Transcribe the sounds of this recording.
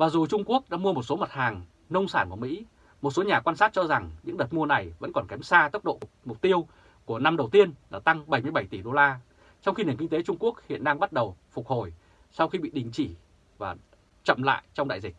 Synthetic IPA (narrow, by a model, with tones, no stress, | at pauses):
vaː˨˩zu˨˩t͡ɕʊ˧ŋ͡mku˦˥ək̚ɗa̰ː˧˥mu˧əmo˨˩t̚so˨˦mə˨˩t̚haː˨˩ŋ | nə˧wŋ͡msaː˧˩nku˧˩əmḭ˧˥ | mo˨˩t̚so˨˦ɲaː˨˩kwaː˧nsaː˦˥t̚t͡ɕɔ˧za˨˩ŋɲɨ̰˧˥ŋɗəː˨˩t̚mu˧əna˨˩jvə̰˧˥nkɔ˨˩nkɛ˨˦msaː˧t̪ə˦˥p̚ɗo̰˧˨ | mʊ˨˩k͡p̚t̪i˧əw | ku˧˩əna˧mɗə˨˩wt̪i˧ənɗa̰ː˧˩t̪a˧ŋɓa˧˩jmɨ˧jɓə˧˩jt̪i˧˩ɗo˧laː˧ | t͡ɕɔ˧wŋ͡mxi˧n˨˩əŋk̬i˧ŋt̪e˨˦t͡ɕʊ˧ŋ͡mku˦˥ək̚hḭ˧˨ənɗaː˧ŋɓa˦˥t̚ɗə˨˩wfʊ˨˩k͡p̚ho˨˩j | sa˧wxi˧ɓḭ˧˨ɗï˨˩ŋ̟t͡ɕi˧˩ | vaː˨˩ | t͡ɕə̰˧˨mla̰ː˧˨jt͡ɕɔ˧ŋ͡mɗa̰˧˨jzi˨˩k̚